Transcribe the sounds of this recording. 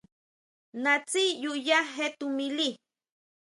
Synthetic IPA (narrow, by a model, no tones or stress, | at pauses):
nat͡sijujaɦet̪umili